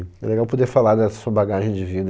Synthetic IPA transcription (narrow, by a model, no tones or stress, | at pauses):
ɛ̰leɡawpod̪eɾfalaɾd̪ɛɐsuɐbaɡaʒẽj̃d͡ʒɪvid̪